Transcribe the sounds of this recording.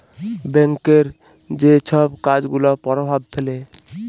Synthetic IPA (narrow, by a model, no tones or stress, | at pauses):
bɛŋkeɾ | d͡ʑet͡ʃʰɔbkad͡ʑɡulopɔɾobʱab̚pʰele